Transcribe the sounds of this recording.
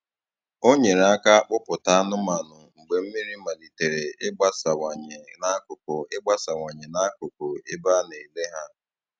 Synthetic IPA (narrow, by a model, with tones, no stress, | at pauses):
o˦ɲe˨ɾa˦ka˦k͡pʊ˦pʊ˨ta˦a˦nʊ˦ma˨nʊ˨ŋ͡m̩˨ɡ͡be˨m̩˦mi˦ɾi˦ma˨li˨te˨ɾe˨ɪ˦ɡ͡ba˦sa˨ŋʷa˨ɲe˨na˦a˦kʊ˨kʊ˨ɪ˦ɡ͡ba˦sa˨ŋʷa˨ɲe˨na˦kʊ˨kʊ˨ɪ˦ba˦ne˨i˨le˦ɦa˦